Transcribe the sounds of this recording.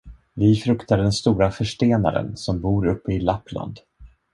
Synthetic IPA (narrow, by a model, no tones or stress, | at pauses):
vɪfɾɵkt̪aɖɛnst̪uːɾafœʂʈeːna̰ɾə̰nsɔmbuːɾɵpːəɪlapːla̰nd̪